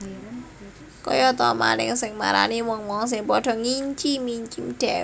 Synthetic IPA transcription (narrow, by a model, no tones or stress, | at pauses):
kɔ̰jɔt̪ɔma̰nɪ̰ŋsɪŋma̰ɾa̰niwɔŋwɔŋs̬ɪŋpɔɖ̥ɔ̤ŋiɲt͡ʃimiɲt͡ʃimd̥ɛ